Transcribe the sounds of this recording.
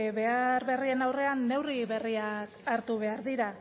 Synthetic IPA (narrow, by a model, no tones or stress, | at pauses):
βe̞aɾβe̞rie̞nawre̞anːe̞wriβe̞riakaɾt̪uβ̞e̞aɾðiɾa